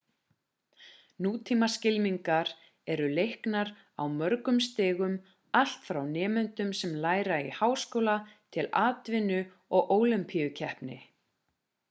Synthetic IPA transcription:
nuːt̪ʰimascɪlmiŋkaɾ | ɛɾʏlejhknaɾ | a̰wmœɾkʏmst̪ɪːɣʏm | al̥t̪fɾawnɛːmʏnt̪ʏmsɛmlaːjɾaihawskoːwlat̪ʰɪlaːt̪vɪnʏ | ɔɣʔoːwlɪmpʰijʏcʰɛhpnɪ̰

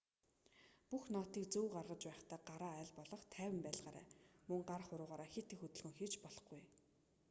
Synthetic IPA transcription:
puxnɔːt̪iːk̚t͡sɵːɢarʁə̆t͡ɕpæːχt̪ʰaːɢaɾaːæːɮpɔɮɞ̆χt̪ʰæːwɘ̆mpæːɮʁaːɾæ̰ːmɵŋɢarχʊɾʊːʁaːɾaːxet̪ĕxɵt̪ɵ̆ɮxɵ̆ŋxet͡ɕpɔɮɞ̥̆χɡuj

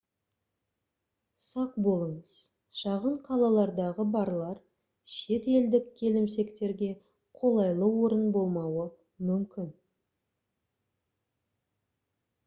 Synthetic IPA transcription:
sɑq̚bo̞lˠəɴəz̥ | ʃɑʁəɴqʰɑlˠɑlˠɑɾd̪ɑʁəbɑɾlˠɑɾ | ʃe̞t̪e̞ld̪ɪkkʲʰe̞lɪmse̞kt̪e̞ɾɡʲe̞ | qʰo̞lˠɑjlˠəwo̞ɾənbo̞lˠmɑwə | mʏmkʲɪn

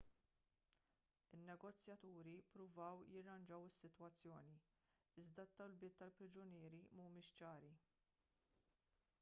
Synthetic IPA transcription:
ɪnːɛɡɔt͡sːjɐt̪uːɾipɾʊvɐwjɪrːɐnd͡ʒɐwɪsːɪt̪wɐt͡sːjɔːni | ɪzd̪ɐt̪ːɐwlbɪːt̪ːɐlpɾɪd͡ʒʊnɪːɾimɐmʊmɪːʃt͡ʃɐːɾi

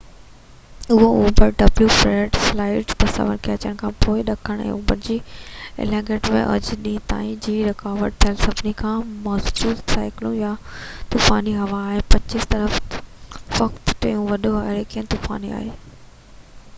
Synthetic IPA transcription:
ʊɦooːbəɾɖɐbljufɾeːɖflaːɪʈt̪ɐsɐ̰ʋə̰ɾkʰeɐt͡ɕəɽ̃kʰãːpoːɪɗɐkʰəɽ̃ɛ̰̃ṵːbəɾd͡ʑḭːlɛ̃ːŋɡeːʈmḛ̃ʔɐ̰d͡ʑɗĩːt̪a̰ːĩd͡ʑiːɾɪkaːʋəʈ̚t̪ʰjəlsɐbʱnikʰãːmɐːzd͡ʑuːd̪saːɪklũjat̪uːfaːniɦɐʋaːɦɪpɐt͡ɕɪst̪ɐɾəf | ʋɐkt̪ʈɐ̰jũʋɐɗoaɾekiə̃nt̪uːfa̰ːnia̰ːɦeː

